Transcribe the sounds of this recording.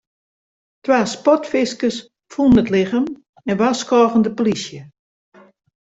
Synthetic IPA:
tʰwaːspɔtfɪskəs | funətlɪɣəm | ɛnʋaskɔːɣəndəpolisjə

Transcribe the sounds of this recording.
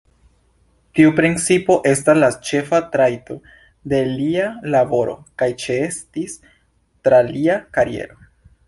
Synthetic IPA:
tiupɾint͡sipo̞ʔe̞staslat͡ʃe̞fatɾajto̞ | de̞lialabo̞ɾo̞̰kajt͡ʃeestis | tɾaliakaɾie̞̰ɾo̞

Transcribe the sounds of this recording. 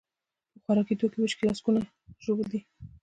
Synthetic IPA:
pəxwaɾɑkit̪okebət͡ʃkelaskuna | ʒobəld̪i

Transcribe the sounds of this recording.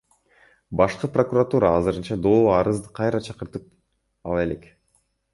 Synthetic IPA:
bɑʃqɯpro̞kurat̪uɾɑːzɯɾɯnt͡ʃɑd̪oːlˠɑɾɯzd̪ɯqʰɑjɾɑt͡ʃʰɑqɯɾt̪ɯp̚ | ɑ̰lˠɑe̞le̞k

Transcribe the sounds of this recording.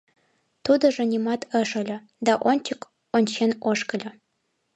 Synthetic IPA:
t̪ud̪ɤ̆ʐɤ̆nʲimɑt̪ʰə̆ʂɤ̆lʲɘ̆ | d̪ɑʔonʲt͡ɕɘ̆k | onʲt͡ɕenoʂkɘ̆lʲɘ̆

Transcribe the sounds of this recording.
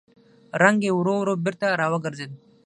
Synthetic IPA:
ɾaŋɡewɾowɾobɪɾt̪aɾaːwaɡəɾzed̪

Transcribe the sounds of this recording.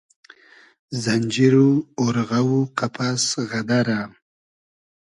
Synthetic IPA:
zand͡ʒiɾuoɾɣawuqapʰasɣad̪aɾa

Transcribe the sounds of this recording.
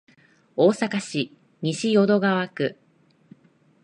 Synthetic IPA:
o̞ːsakaɕi | ɲ̟iɕijo̞d̪o̞ɡaβakɯ̟

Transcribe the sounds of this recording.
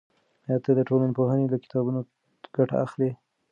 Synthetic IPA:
jɑt̪ad̪əʈolanpoɦanelakɪ̥t̪ɑbuno | ɡ̥aʈa̰axle

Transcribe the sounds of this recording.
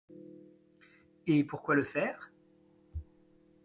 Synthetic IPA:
epuʁkwaləfɛːʁ

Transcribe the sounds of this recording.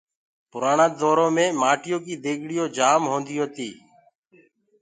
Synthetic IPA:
pʊɾaːɳãːd̪oːɾõːmẽːmaːʈɪjoːkiːd̪eːɡʱɽɪjoːd͡ʒaːmɦõːnd̪ɪjoːt̪iː

